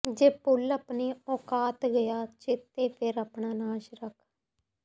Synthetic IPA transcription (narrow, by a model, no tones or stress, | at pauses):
d͡ʒeːpʊləpniːɔːkaːt̪ɡəjaːt͡ʃɪt̪eːpʰɪɾəpɳaːnãːʃɾəkʰ